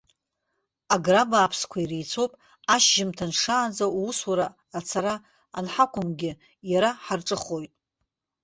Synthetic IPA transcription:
aɡrabaːpʰskʷʰairejt͡sʰo̞wpʼ | aʃʒɪmtʰanʂaːnd͡zauuswaɾaː | t͡sʰaɾaː | nħakʷʰʊmɡʲɪ | jaɾaħarʈ͡ʂʼɨχo̞jtʼ

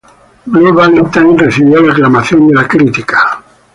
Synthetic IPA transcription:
bluβalint̪anreθiβjolaeklamaθjond̪elakɾit̪ikḁ

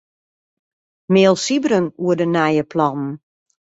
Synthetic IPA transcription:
meːlˠsibɾənuədənɛjəpʰlɔnn̩

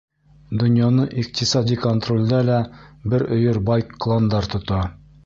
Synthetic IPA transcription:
d̪ɵ̆njɑnɤʔiq̚t̪isɑd̪ikont̪rolʲd̪ælæbɘɾɵ̆jɵɾbɑjkːlˠɑnd̪ɑɾt̪ŏt̪ɑ

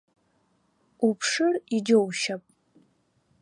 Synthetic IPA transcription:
upʰʂɨrid͡ʒowʃapʼ

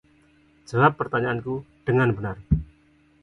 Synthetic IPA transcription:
d͡ʒəlapːərt̪aɲaʔankuɖ̥əŋanbənar

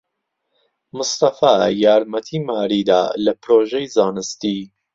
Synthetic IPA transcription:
mʊst̪ɐfaːjaːɾmɐt̪ʰiːmaːɾiːd̪a̰ːlɐpɾoːʒɛjzaːnɨst̪i

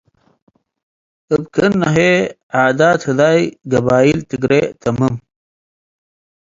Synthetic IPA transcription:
əbkʰənːɐɦe | aːd̪aːt̪hud̪aːjɡɐbaːilt̪iɡɾet̪ɐməm

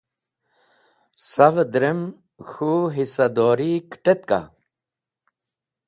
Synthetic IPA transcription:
sɐvd̪ɾem | xuɦisɐd̪oːɾikʈet̪ka̰

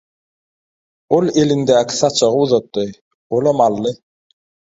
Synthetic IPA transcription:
olˠelind̪æːkʰi̥sɑt͡ʃʰɑʁɯuðɑt̪ːɯ | olˠɑmɑlˠːɯ

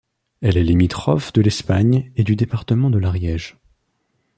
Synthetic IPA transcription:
ɛlɛlimit̪χɔfd̪əlɛspaɲed̪yd̪epaʁt̪əmɑ̃d̪əlaʁjɛʒ

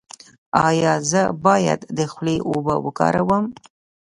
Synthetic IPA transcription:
ɑjɑzəbɑja̰d̪d̪əxleʔobəwəkɑ̰ɾawəm

